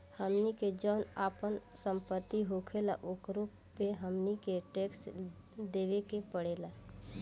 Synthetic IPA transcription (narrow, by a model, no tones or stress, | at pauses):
həmniked͡ʒɔːnaːpənsə̃mpət̪ːiɦoːkʰela̰ʔokɾuːpːeɦəmnikeʈeːks | d̪eːʋekepəɽeːla